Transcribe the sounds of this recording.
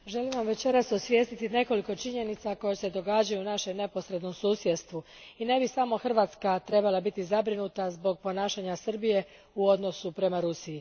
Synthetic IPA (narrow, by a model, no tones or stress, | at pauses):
ʒe̞limʋamʋe̞t͡ʃe̞ɾasosʋje̞ːst̪it̪ine̞ko̞liko̞t͡ʃiɲe̞nit̪sako̞jese̞d̪o̞ɡad͡ʑajunaʃe̞mne̞po̞sɾe̞d̪no̞msuːsje̞d̪st̪ʋu | ine̞bisamo̞xr̩ʋaːt̪skat̪ɾe̞balabit̪izabɾinut̪azbo̞ɡ̚po̞naːʃaɲasr̩bije̞ | uo̞d̪no̞supɾe̞maɾusiji